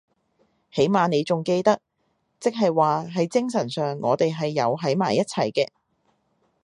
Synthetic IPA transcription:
he˨˥jmaː˨ne˨˧jt͡sʊ˨ŋke˧jt̪ɐ˥k̚ | t͡sɪ˥k̚ɦɐ˨jwaː˨ɦɐ˨˥jt͡sɪ˥ŋsɐ˨˩nsœː˨ŋːɔː˨˧t̪e˨jɦɐ˨jːɐ˨˧wɦɐ˨˥jma̰ː˨˩jːɐ˥t̚t͡sʰɐ̰˨˩jkɛː˧

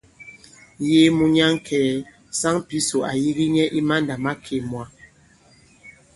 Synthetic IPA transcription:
je˦mu˨ɲa˦ŋ˦kʰɛː˨ | sa˦ŋpi˦so˨a˨ji˦ɣi˦ɲɛ˦ʔi˦ma˦nda˨ma˦kʰe˨mwa˨

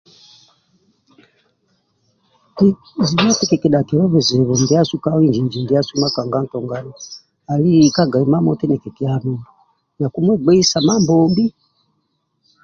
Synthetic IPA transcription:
i˦ | zi˨mɔ˦tɛ˦kɛ˨kɛ˨ɗa˨kɛ˨ɾɔ˦βɛ˨zɛ˨βɔ˨mbi˦a˦su˦ka˦wi˦ɲd͡ʒi˨ɲd͡ʒi˨ndi˨˦a˦su˦ma˦ka˨ŋɡa˦n̩˨tɔ˨ŋɡa˨na˨ | a˨li˦ka˦ɡa˨i˨ma˦mɔ˦tɛ˦nɛ˨kɛ˨kɛ˦a˨mɛ˨ɔ˨ | na˨ku˦m˦ɛ˦ɡ͡bɛ˦i˦sa˨ma˦mbɔmbi˦

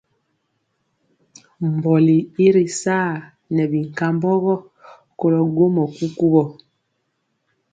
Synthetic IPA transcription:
m˨bɔ˨li˨i˦ɾi˨saː˦˨ | nɛ˨bi˨ŋ˨ka˦mbɔ˦ɣɔ˦ | ko˦lɔ˨ɡo˦mɔ˨ku˦ku˦bɔ˨

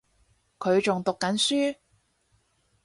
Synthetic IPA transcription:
kʰɵ˨˧ɥt͡sʊ˨ŋt̪ʊ˨kːɐ˨˥nsyː˥

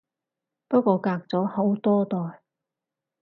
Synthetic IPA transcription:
pɐ˥kʷɔː˧kaː˧k̚t͡sɔː˨˥ho˨˥wt̪ɔː˥t̪ɔː˨j

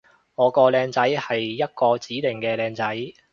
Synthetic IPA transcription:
ŋɔː˨˧kɔː˧lɛː˧ŋt͡sɐ˨˥jhɐ˨jːɐ˥t̚kɔː˧t͡siː˨˥lɪ˨˩ŋkɛː˧lɛː˧ŋt͡sɐ˨˥j

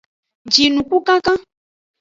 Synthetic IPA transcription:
d͡ʒi˨nũ˨ku˦kã˦kã˦

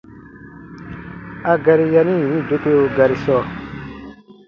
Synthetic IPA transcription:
a˧ɡa˧ɾi˦ja˧nĩ˦˨jĩ˨˦do˦ke˦o˧ɡa˨ɾi˨sɔ˦˨

